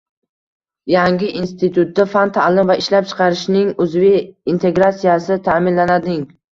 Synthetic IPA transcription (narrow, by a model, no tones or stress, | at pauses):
jaŋɡʲɪʔinst̪ɪt̪ʰʊt̪̚d̪afant̪ʰalɪmvaɪʃlap̚t͡ʃʰɨ̥qʰɑɾɪʃnɪŋʊzvɪint̪ʰe̞ɡɾat̪sijasɪt̪ʰamɪnlanad̪ɪŋ